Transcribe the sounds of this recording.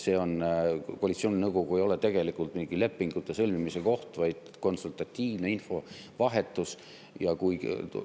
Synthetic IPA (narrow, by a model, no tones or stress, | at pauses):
se̞ːo̞nkoɑalit̪sio̞ːnʲinɤwɡ̥o̞ɡ̥ue̞jo̞le̞t̪e̞ɡ̥e̞likult̪miːɡ̥ile̞pːˑiŋɡ̥ut̪ˑːe̞sɤlʲmimise̞ko̞ht̪vɑjd̪̥ | ko̞nsult̪ɑt̪ʲːiːvne̞info̞ | vɑɦe̞t̪ːˑus | jɑkuj